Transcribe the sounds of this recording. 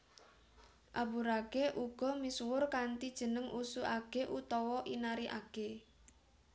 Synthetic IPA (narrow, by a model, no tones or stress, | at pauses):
ʔabuɾaɡ̥eʔuɡ̥ɔ̤miswʊrkant̪id̥ʒ̥ə̤nəŋʔusuʔaɡ̥eʔut̪ɔwɔʔinaɾiʔaɡ̥e